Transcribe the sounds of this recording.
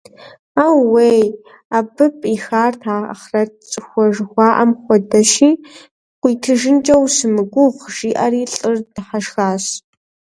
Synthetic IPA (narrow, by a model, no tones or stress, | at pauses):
aːwwej | aːbɨpʼixaːrtʰa̰ːχrɐt͡sʼɨxʷɔʒxʷɑːʔɐmχʷɔdɐʃiː | qʷiːtʰɨʒɪnd͡ʒʼɐwsɨmɨɡʷʊqʒ̥iːʔɐriːɬʼɨrdɨħaʃxaːɕ